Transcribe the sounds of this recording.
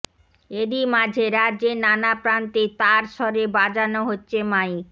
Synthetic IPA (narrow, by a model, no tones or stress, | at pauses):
ed̪imad͡ʑʱeɾad͡ʑenanapɾant̪it̪aɾʃɔɾebad͡ʑanoɦotːɕʰemaij